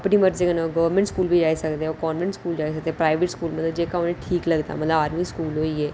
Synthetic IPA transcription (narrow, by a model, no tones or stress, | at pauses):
əpniːməɾd͡ʒekənãɡəʋəɾmɛ̃ɳʈskuːlbʱiːd͡ʒaːisəkd̪eɛokɔːnʋɛ̃ɳʈskuːld͡ʒaːisək̚d̪eɛpɾaːɪʋeʈskuːlmət̪ləbd͡ʒeːkaonẽʈʰiːkləɡd̪a̰mət̪ləbaːɾmiːskuːlɦoːiːɛː